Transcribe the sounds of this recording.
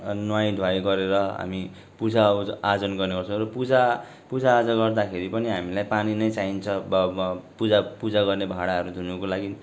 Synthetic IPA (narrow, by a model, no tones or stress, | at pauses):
nwaj̃d̪ʱwajɡʌɾeɾʌɦa̰mi | pud͡zaad͡zʌnɡʌrneɡʌrt͡sʰʌ̃rʌpud͡za | pud͡zaːd͡zʌɡʌrd̪akʰeɾipʌniɦamilajpaninʌjt͡saint͡sʰʌbpud͡zapud͡zaɡʌrnebʱaɽaɦʌɾud̪ʱunukolaɡi